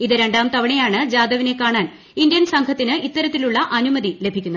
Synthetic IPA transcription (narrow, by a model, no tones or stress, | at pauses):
iðɨɾe̞ɳɖaːmt̪ɐʋɐɳejaːɳɨd͡ʑaːd̪ɐʋine̞kaːɳaːn | ind̪jɐnsɐŋɡʰʱɐt̪ːinɨʔit̪ːɐɾɐt̪ːiluɭːɐʔɐnumɐðile̞bʱikʲːunːɐ